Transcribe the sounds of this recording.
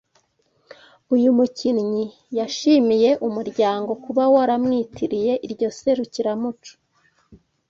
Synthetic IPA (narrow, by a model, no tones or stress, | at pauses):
ujumucinɲi | jaʃimije̞ʔumuɾɟaːŋɡo̞kuβawaɾamŋiːtiɾije̞ʔiɾɟo̞se̞ɾuciɾamut͡ʃu̥